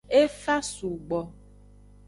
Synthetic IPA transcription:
e˦fa˦su˨ɡ͡bɔ˨

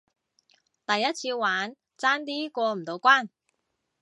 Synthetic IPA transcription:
t̪ɐ˨jːɐ˥t̚t͡sʰiː˧waː˨˥n | t͡saː˥nt̪̬iː˥kʷɔː˧m̩˨˩t̪o˨˧wkʷaː˥˩n

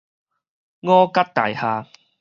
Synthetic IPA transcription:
ŋɔː˦ka˦˥t̚t̪a̰˨˩jhaː˧

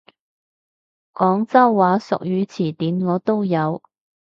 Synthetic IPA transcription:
kɔː˨˥ŋt͡sɐ˥wːaː˨˧˥sʊ̰˨k̚jyː˨˧t͡sʰiː˨˩t̪iː˨˥nŋɔː˨˧t̪o˥wjɐ˨˧w

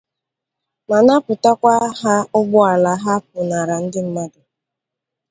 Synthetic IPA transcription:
ma˨na˦pʊ˨ta˦kʷa˦ɦa˦ʊ˦ɡ͡bʊ˦a˨la˨ɦa˦p̚ʊ˨na˨ɾa˨n̩˦dɪ˦m̩˦ma˦dʊ˨

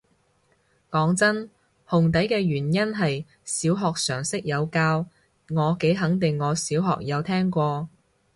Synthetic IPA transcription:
kɔː˨˥ŋt͡sɐ˥n | hʊ˨˩ŋt̪ɐ˨˥jkɛː˧ɥyː˨˩njɐ˥nɦɐ˨j | siː˨˥wɦɔː˨k̚sœː˨˩ŋsɪ˥k̚jɐ˨˧wkaː˧w | ŋɔː˨˧ke˨˥jɦɐ˨˥ŋt̪ɪ˨ŋːɔː˨˧siː˨˥wɦɔ̰ː˨k̚jɐ˨˧wt̪ʰɛː˥ŋkʷɔː˧

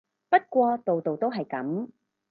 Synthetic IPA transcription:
pɐ˥t̚kʷɔː˧t̪o˨wt̪o˨wt̪o˥wɦɐ˨jkɐ̰˨˥m

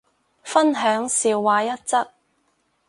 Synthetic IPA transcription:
fɐ˥nɦœː˨˥ŋsiː˨wːaː˨˧jɐ˥t̚t͡sɐ˥k̚

